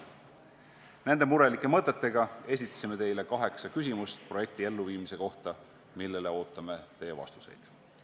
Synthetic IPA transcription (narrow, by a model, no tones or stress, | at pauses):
nend̪̥e̞muɾe̞likːˑe̞mɤt̪ːˑet̪ːeɡ̥ɑe̞s̬ʲit̪ːˑɑ̥sime̞t̪e̞jle̞kɑɦe̞ksɑkys̬ʲimust̪pro̞je̞k̚t̪ie̞lːuviːmise̞ko̞ht̪ɑ | milːe̞le̞o̞ːt̪ːˑɑme̞t̪e̞jːevɑ̰st̪u̥se̞̰jd̪̥